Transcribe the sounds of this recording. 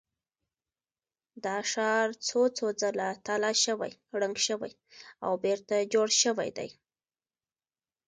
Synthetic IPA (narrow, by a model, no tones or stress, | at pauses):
d̪ɑʃɑɾt͡sot͡sod͡zəlat̪alɑʃəwa̰jɽəŋɡʃəwa̰j | a̰wbeɾt̪ad͡ʒoɽʃəwa̰jd̪a̰j